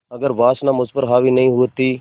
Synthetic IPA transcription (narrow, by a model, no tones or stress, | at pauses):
ɐɡəɾʋaːsnãːmʊspəɾɦaːʋiːnɐĩːɦʊət̪ːiː